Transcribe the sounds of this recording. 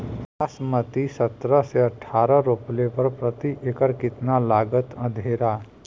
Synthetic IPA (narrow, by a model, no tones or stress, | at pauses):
asmət̪isət̪ɾəseəʈʰːaːɾəɾuplepəɾpɾət̪iʔekəɾkɪt̪nalaɡət̪ə̃d̪ʱeɾa